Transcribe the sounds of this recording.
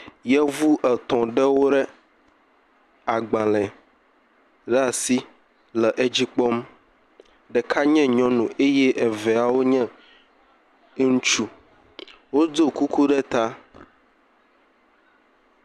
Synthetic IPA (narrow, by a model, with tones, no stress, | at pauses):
jɛ˦vu˦ʔɛ˨t̪ɔ̃˨ɖɛ˦wo˦ɖɛ˦ | a˨ɡ͡bã˨lɛ̃˨ | ɖa˨si˦ | lɛ˨ʔe˦d͡ʑi˦k͡pɔ˦m | ɖɛ˨kʰa˦ɲɛ̃˦ɲɔ̃˦nũ˨ʔe˦jɛ˦ʔɛ˨vɛ˨a˨wo˦ɲɛ̃˦ | ŋũ˦t͡ʃu˦ | wo˦do˦ku˦ku˦ɖɛ˦t̪a˦